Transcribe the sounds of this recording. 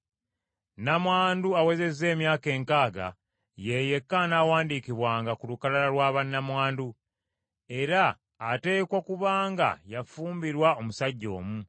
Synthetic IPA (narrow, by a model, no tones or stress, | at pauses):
namwaːnduawe̞ze̞zːe̞ːmjaːke̞ːŋkaːɡa̰ | jeje̞kːanawaːndikiβwaːŋɡakulukalalalwaːβanːamwaːndu | e̞ɾaː | te̞ːkokuβaːŋɡa̰jafuːmbiɾwao̞musaɟːo̞̰ːmu